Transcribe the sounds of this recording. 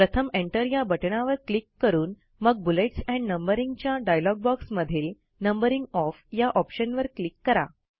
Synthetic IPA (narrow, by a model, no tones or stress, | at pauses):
pɾət̪ʰəmeɳʈəɾjabəʈɳaʋəɾklikːəɾuːn | məɡ̚buleʈsɛ̃ɳɖnəmbəɾiŋɡt͡ɕjaɖajlɔɡ̚bɔksməd̪ʱiːl | nəmbəɾiŋɡɔfjaʔɔpɕənʋəɾklikːəɾa̰